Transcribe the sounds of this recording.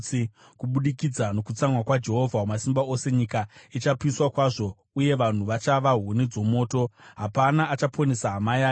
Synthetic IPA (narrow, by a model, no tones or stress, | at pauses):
i | kuɓuɗikid͡zano̞kut͡samwakwad͡ʒe̞ɦo̞vʱakomasimbao̞se̞ɲikait͡ʃapiswakwaʐo̞ | uje̞ʋan̤uʋat͡ʃaʋaɦwunid͡zo̞mo̞ːto̞ɦapanaːt͡ʃapʰonesaɦamaja